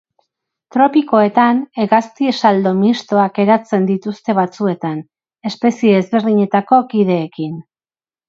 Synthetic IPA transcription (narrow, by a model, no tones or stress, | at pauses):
t̪ɾo̞piko̞e̞t̪ane̞ɣast̪iesald̪o̞mist̪o̞ake̞ɾat͡se̞nd̪it̪ust̪e̞βat͡sue̞t̪an | e̞spe̞sie̞ːzβe̞ɾðiɲe̞t̪ako̞kiðe̞ːkin